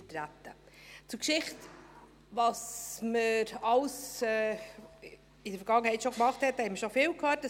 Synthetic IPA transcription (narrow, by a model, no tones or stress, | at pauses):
tɾætə | t͡sʊɾkʃɪχt | vɑsməɾɑlsɛ | ɪdəɾfəɾɡ̥ɑŋːəhɛɪtʃokmɑχthɛthɛməʃofɪːwkʰhøːt̚ːə